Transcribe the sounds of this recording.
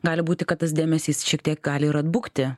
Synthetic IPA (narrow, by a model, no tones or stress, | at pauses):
ɡɑːlʲɪbuːt̪ʲɪkɐt̪t̪ːɐsd̪ʲeːmʲɛsʲiːsʃʲiɛk̚t̪ʲiɛk̚ɡɑːlʲɪɪɾɐd̪bʊkt̪ʲɪ